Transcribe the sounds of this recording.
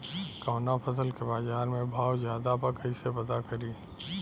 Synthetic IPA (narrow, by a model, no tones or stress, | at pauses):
kaːnapʰɐs̬əlkebaːd͡ʒaːnmẽbʱaːwzjaːd̪apɐkəisepɐt̪akɐɾiː